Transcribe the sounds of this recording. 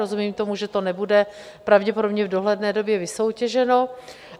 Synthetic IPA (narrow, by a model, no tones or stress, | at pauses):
ozumiːmt̪o̞muʒɛt̪o̞nɛbudɛ | pɾavɟɛpodo̞bɲɛvdo̞ɦlɛdnɛːdo̞bjɛvɪso̞wcɛʒɛno̞